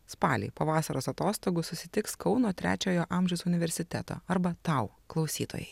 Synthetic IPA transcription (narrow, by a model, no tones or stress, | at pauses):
spɑːlʲḭpɐʋɑːsɐɾoːsɐt̪oːst̪oːɡʊsʊsʲɪt̪ʲɪkskɒʊnoːt̪ʲɾʲæ̰ːt͡ʃʲoːjoːʔɑmʲʒʲɛʊsʊnʲɪʋʲɛɾʲsʲɪt̪ʲɛt̪o̰ːɐɾbɐt̪ɐˑʊ | klˠɒʊsʲiːt̪o̰ːjɛɪ